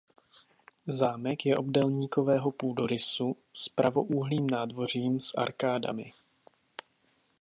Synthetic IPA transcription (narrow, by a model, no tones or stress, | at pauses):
zaːmɛkjɛʔo̞bdɛlɲiːko̞vɛːɦo̞puːdo̞ɾɪsu | spɾʔavo̞ʔuːɦliːmnaːdvo̞r̝iːmsʔa̰ɾkaːda̰mɪ